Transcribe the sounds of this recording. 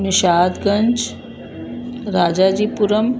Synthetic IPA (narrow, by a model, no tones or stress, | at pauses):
niɕad̪ɡəɲt͡ʃ | ɾad͡ʑad͡ʑiːpuɾəm